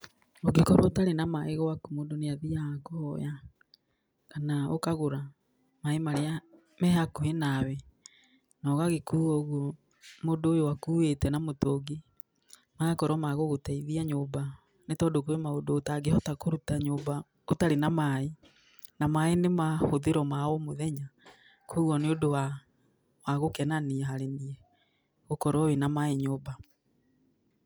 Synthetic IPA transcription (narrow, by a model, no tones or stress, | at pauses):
oɡekɔɾwɔtaɾenamaeɣɔwakumoːdoneaðiakoɔja | kanao̰kaɣoɾa | maemaɾea | mɛhakuhenawɛ | nɔɣaɣekuːɔɣwɔ | moːdoːjowakuːwetɛnamotoɡe | maɣakɔɾwɔmaɣoɣotaiðiaɲoːba | netɔːdokwemaodoːtaɡehɔtakoɾutaɲoːba | otaɾenamae | namaenemahoðeɾɔmaɔmoðɛɲa | kʰuɣwɔneodowa | waɣokɛnaniɛɦaɾeniɛ | ɣokɔɾɔwenamaeɲoːba